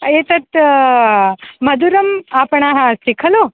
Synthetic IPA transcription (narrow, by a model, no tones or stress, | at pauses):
eːt̪ɐt̪ | mɐd̪uɾɐmaːpɳaːɦɐ̃sikʰɐloː